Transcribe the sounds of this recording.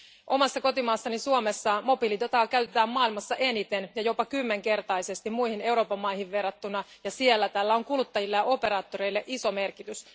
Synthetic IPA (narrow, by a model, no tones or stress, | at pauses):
ʔo̞mɑsːɑko̞t̪imɑːsːɑnisuomesːɑmo̞pilit̪ot̪ɑːkæɥt̪e̞t̪æːmmɑːilmɑsːɑʔenit̪e̞njɑjo̞pɑkymːe̞ŋke̞rt̪ɑjse̞st̪imujhine̞uwɾo̞ːpɑmːɑjhiʋʋe̞rːɑt̪ːunɑjɑsielːæt̪æːlːæo̞ŋkulut̪ːɑjilːɑjɑo̞pe̞ɾɑːt̪ːo̞ɾe̞jlːeʔiso̞me̞rkit̪ys